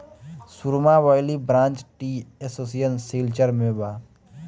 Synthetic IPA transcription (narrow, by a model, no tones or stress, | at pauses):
suɾmaʋajlibɾãːnt͡ʃʈiesoːsijənseːlt͡ʃəɾmẽbaː